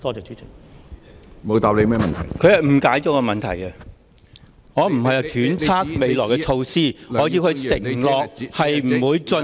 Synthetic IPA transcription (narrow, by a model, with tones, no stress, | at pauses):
t̪ɔː˥t͡sɛː˨˩t͡ʃyː˨˥t͡sʰɪ˨˩ | mo˨˧wt̪aː˨p̚le˨˧jmɛː˥mɐ˨nt̪ʰɐ̰˨˩jkʰɵ˨˧ɥhɐ˨jm̩˨˩kaː˨˥jt͡so˨˧kɐ˧mɐ˨nt̪ʰɐ̰˨˩jɐ˧ | ŋɔː˨˧m̩˨˩hɐ˨jɐ˨˧t̪ʰyː˨˥nt͡sʰaː˥k̚me˨˧jlɔː˨˩jkɛ˧t͡sʰo˧wsiː˥ɔː˨˧˥kiː˧kʰɵ˧sɪ˨˩ŋlɔː˨k̚hɐ˨jm̩˨˩wuː˨˧jt͡sɵ˧